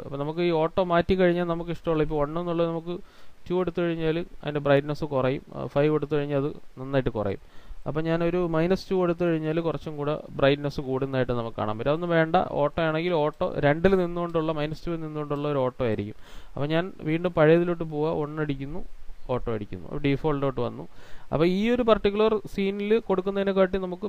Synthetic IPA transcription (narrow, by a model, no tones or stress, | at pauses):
ɐ̰pːonɐmuk̬ːɨiːo̞ːʈːo̞ːmaːtːikːɐɻiɲːaːlnɐmuk̬ːiʂʈɐmuɭːɐipːoːoɳːenːuɭːɐðnɐmukːɨtuːe̞ɽut̪ːukɐɻiɲːaːluɐ̰ðinde̞brɐjɖnesɨkurɐjṵmfɐjʋeɽut̪ːɨkɐɻiɲːaɐðɨnɐnːaːjiʈːɨkurɐ̰jṵmɐ̰pːoːɲaːno̞ɾumɐjnɐstuːeɽut̪̬ːɨkɐɻiɲːaːlukurɐt͡ɕːumkuːɽḛbrɐjɖnesɨkuːɽunːaːjiʈːɨnɐmukːɨka̰ːɳa̰mpɐtːɐonːɨʋe̞ːɳɖɐ̰o̞ːʈːoːjaːɳe̞ŋɡilo̞ːʈːo̰ːɾe̞ɳɖilninːuɣo̞ɳɖuɭːɐmɐjnɐstuːilninːuɣo̞ɳɖuɭːɐoɾuoːʈːoːjaːjiɾikʲːumɐpːoːɲaːnʋiːɳɖɨmpɐɻejɐðiloʈːɨp̬oːɣɐʔo̞ɳːɐɽikʲːunːuo̞ːʈːo̞ːɐɽikʲːṵnːṵɐ̰ɖifoːlɖoːʈːɨʋɐnːṵɐ̰pːoːiːo̞ɾupɐrʈːikʲːulɐrsiːnilɨkoɽukːunːɐðinɨk̬aːʈːinɐmukːɨ